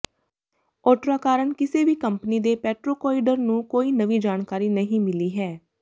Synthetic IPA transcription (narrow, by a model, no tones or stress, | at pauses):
ɔːʈɾaːkaːɾəɳkɪseːʋiːkəmpəniːd̪eːpɛːʈɾoːkɔːɪɖəɾnũːkoːiːnəʋiːd͡ʒaːɳkaːɾiːnəɦĩːmɪliːɦɛː